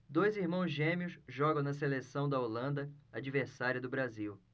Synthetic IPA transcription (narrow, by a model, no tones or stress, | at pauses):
d̪ojziɾmɐ̃w̃zʒẽmiʊsʒɔɡɐ̃w̃nɐselesɐ̃w̃d̪ɐolɐ̃nd̪ɐad͡ʒiveɾsaɾiɐd̪ʊbɾaziw